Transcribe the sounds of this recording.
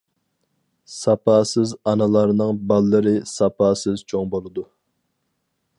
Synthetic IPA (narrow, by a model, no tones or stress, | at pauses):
sɑpʰɑsɪzɑnɨlˠɑɾnɨŋbɑlˠːɨɾɨsɑpɑːsɨz̥t͡ʃʰoŋbolˠɨd̪u